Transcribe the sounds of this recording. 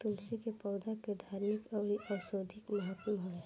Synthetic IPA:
t̪ʊlsikepɔːd̪aked̪ʱaːɾmɪkɔːɾiʔaːsoːd̪ʱɪkmɐɦət̪ɦo

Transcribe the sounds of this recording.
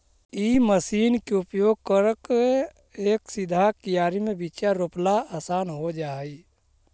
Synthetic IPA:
iːməsiːnkeʊpjoːɡ̚kəɾəke | eːksɪd̪ʱakijaːɾimẽbit͡ʃaɾoːplaaːsaːnɦod͡ʒaːi

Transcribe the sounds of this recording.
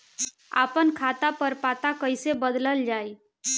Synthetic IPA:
a̰pənkʰat̪apəɾpat̪akəjsebəd̪ləld͡ʒai

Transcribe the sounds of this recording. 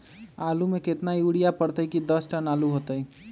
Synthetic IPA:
aːlumẽkɪt̪najuːɽijapəɽt̪əikid̪əsʈanaːluɦoːt̪əi

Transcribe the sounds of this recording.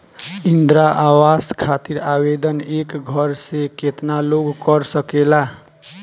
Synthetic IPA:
ind̪ɾaʔawaskʰat̪iɾabed̪ənekɡʱʌɾsẽket̪naloɡkʌɾsəkela

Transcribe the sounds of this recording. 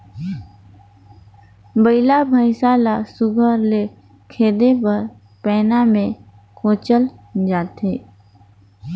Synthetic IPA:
bəɪlabʱəɪsaːlasʊɡʱəɾle | kʰeːd̪epəɾ | pɛːnamẽ | kʰoːt͡ʃəld͡ʒaːt̪eː

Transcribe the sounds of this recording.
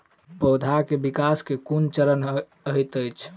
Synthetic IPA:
bəwd̪ʱakebikaskekunt͡ʃəɾən | əjt̪əjt͡ʃʰ

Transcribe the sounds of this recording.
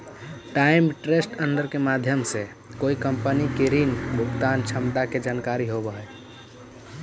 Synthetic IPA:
ʈaimʈɾesʈənd̪əɾkemad̪ʱjəmse | koikəmpənikiɾinbʱukt̪ant͡ʃʰəmd̪aked͡ʒankaɾiɦobəɦə

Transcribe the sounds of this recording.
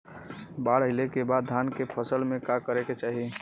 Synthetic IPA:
baɽəɪlekebad̪̚ʱankepʰəsəlmekakəɾeket͡ʃaɦi

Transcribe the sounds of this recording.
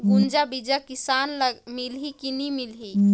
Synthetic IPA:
ɡund͡ʒabid͡ʒakisanləmilɦikinimilɦi

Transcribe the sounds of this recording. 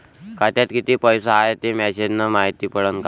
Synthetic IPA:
kat̪jat̪kit̪iːpəjsəaɦet̪emɛɕed͡ʑnəmaɦit̪iːpəɽənka

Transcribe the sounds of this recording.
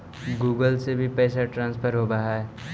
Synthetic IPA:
ɡuːɡəlsebʱipɛːsaʈɾãːnspʰəɾɦobaɦaɛ

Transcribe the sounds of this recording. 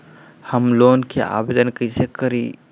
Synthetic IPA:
həmloːnkḛʔa̰ːbed̪ənkəisekəɾḭ

